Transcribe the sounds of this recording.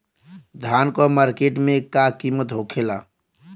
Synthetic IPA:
d̪ʱankɔmaɾkeʈmekakimət̪ɦokʰela̰

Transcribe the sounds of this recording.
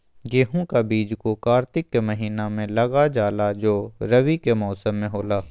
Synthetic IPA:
ɡeːɦõkabiːd͡ʒkokaːɾt̪ɪkːemɐɦiːnamẽlɐɡad͡ʒaːlad͡ʒoːɾɐʋikemɔːsəmːẽɦoːlaː

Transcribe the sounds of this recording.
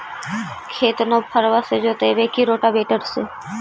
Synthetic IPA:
kʰeːt̪nõpʰəɾʋased͡ʒoːt̪ebeːkiɾoːʈabeːʈəɾse

